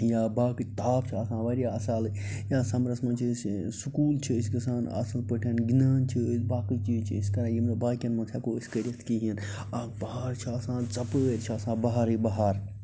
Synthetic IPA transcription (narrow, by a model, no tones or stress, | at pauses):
jaːbaːkit̪aːpt͡ʃʰiɐːsãːʋɐɾijaːɐsaːl | jaːsɐmɾɐsmɐnt͡ʃʰissukuːlt͡ʃʰiiskɐsaːnɐ̰sɐlpəʈʰɐnɡinaːnt͡ʃʰibaːkiːt͡ʃiːt͡ʃʰiisk̪ɐɾãːjimnɐbaːkʲɐnmɐntʰaːkoːiskɐɾʲjɐt̪ʰkiɦiən | abɐɦaɾt͡ʃʰiasãːnt͡sɐpəɾt͡ʃʰiɐsãːbɐɦaɾiːbɐɦaːɾ